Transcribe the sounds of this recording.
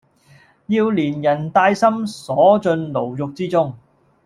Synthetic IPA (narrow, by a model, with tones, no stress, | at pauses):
jiː˧wliː˨˩njɐ˨˩nt̪aː˧jsɐ˥msɔː˨˥t͡sɵ˧nlo˨˩wjʊ˨k̚t͡siː˥t͡sʊ˥ŋ